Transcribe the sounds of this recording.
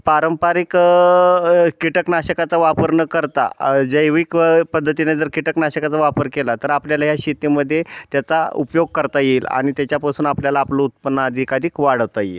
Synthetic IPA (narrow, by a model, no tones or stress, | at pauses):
paɾəmpaɾik | kːiʈəknaɕəkat͡saʋapəɾnəkəɾt̪a̰d͡zəjʋiːkpəd̪ʱːət̪ined͡zəɾkiʈəknaɕəkat͡saʋapəɾkelat̪əɾapljalaɦjaɕit̪iməd̪ʱːjet̪jat͡saupjoɡ̚kəɾt̪ajeːla̰ɽ̃it̪jat͡ɕjapasuːnapljalaːplout̪̚pənːad̪ʱikaɾiːkʋaɽ̤əʋt̪ajḛl